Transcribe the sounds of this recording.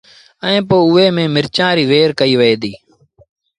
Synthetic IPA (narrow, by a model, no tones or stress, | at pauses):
əẽːpoːʊeːmẽːmɪɾt͡ʃãːɾiːʋeːɾkəiːʋəeːd̪iː